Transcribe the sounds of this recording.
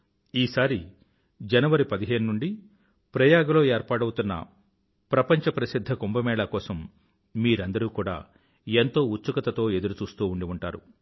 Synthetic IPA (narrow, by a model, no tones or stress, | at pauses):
iːsaːɾi | d͡ʒɐnɐʋɐɾipɐd̪iɦe̞ːnunuɳɖi | pɾɐjaːɡɐlo̞ːe̞ːɾpaːɽɐwut̪unːɐ̰ | pɾɐpɐɲt͡ʃɐpɾɐsid̪ʱːɐkombɐmɛːɭɐkɔːsɐmː | iːɾɐnd̪ɐɾuːkuːɽa̰ː | ent̪o̞ːut̪ːsukɐt̪ɐt̪o̞ːe̞d̪uɾut͡ʃuːst̪uːuɳɖiuɳʈaːɾṵ